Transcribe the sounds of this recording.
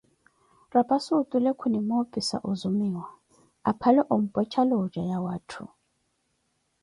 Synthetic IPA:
rapʼasʊtʼʊlekʰʊnimofʼisa̰ʔʊzʊmiːwa | apʰalɛʔʊm̩pʼwɛt͡ʃʰaloʊd͡ʒajawaːtʰʊ̰

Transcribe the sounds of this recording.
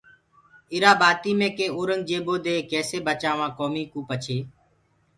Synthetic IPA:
ɪɾaːbaːt̪iːmẽːkẽːoːɾəŋɡ̚d͡ʒeːboːd̪eːkɛːseːbət͡ʃaːʋãːkoːmiːkũːpət͡ʃʰeː

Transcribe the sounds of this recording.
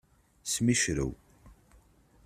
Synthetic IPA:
smiʃɾə̰w

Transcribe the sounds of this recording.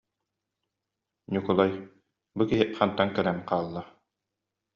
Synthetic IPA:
nʲikɔlˠaj | bukiɦɘʔχɑnt̪aŋkɛlænqɑːlˠːa

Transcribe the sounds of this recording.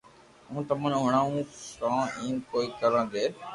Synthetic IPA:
ũːt̪əmãːnɦʊɳ̃aːũːkãːĩːkoːiːkəɾãːd̪eː

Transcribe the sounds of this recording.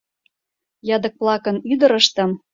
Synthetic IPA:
jɑd̪ə̆k̚plˠɑkə̆nyd̪ə̆ɾəʃt̪ə̆m

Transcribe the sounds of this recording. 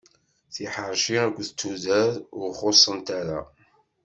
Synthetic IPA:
θiħəɾʃiæɡʷːθət͡sːuðæɾʊʁχosˤːənt̪æɾa̰

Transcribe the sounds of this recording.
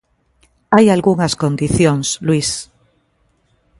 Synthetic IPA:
ajalɣuŋaskõnd̪iθjõŋslwis

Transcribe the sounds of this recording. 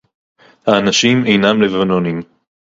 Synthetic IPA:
haːnaʃime̞jnamlevanonim

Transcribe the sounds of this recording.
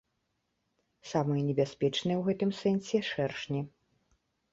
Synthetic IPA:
samɨjɛnʲɛbʲasʲpʲɛt͡ʂnɨjɛwɣɛt̪ɨmsɛnsʲɛʂɛrʂnʲi

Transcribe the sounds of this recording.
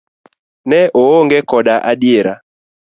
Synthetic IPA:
nɛooŋɡɛkɔɗaʔaɗjeɾa

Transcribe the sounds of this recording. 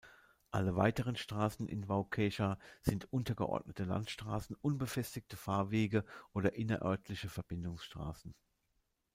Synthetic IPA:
ʔaləva̰ɪtəʁ̞ənʃtʁ̥aːsn̩ʔɪ̰nvaʊkʰɛʃaz̥ɪntʔʊntɐɡə̰ʔɔ̰ɐdnətəla̰ntʃtʁ̥aːsn̩ʔʊnbəfɛstɪk̚tʰəfaːɐveːɡəʔoːɾɐʔɪnɐ̰ʔœ̰ɐtʰlɪçəfɛɐb̥ɪndʊŋsʃtʁ̥a̰ːsn̩

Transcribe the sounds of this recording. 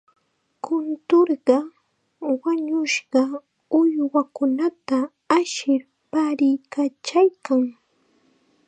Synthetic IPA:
kʊnt̪oɾɢɑ | waɲʊʃɢɑ | ʊjwakʊnat̪a | aʃɪɾ | paɾɪjkat͡ʃajkaŋ

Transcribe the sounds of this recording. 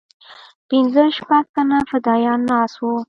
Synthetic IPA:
pɪnzəʃpaɡ̚t̪anafad̪ɑjɑnːɑswu

